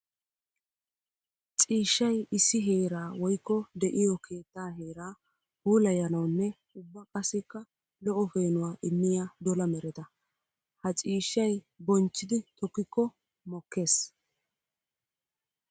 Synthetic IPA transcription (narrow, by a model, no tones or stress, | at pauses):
t͡sʼiːʃːɐjɪsːɪɦe̞ːɾaːwɔjkːɔd̪ɛʔɪjɔkʰe̞ːt̪ːaːɦe̞ːɾaː | huːlɐjɐnɐwnːɛ | ʊbːɐkʼɐsːɪkːɐ | lɔʔɔfe̞ːnʊwaːʔɪmːɪjaːd̪ɔlɐmɛɾɛt̪ɐ | hɐt͡sʼiːʃːɐj | bɔnt͡ʃːɪd̪ɪt̪ɔkːɪkːɔ | mɔkːe̞ːs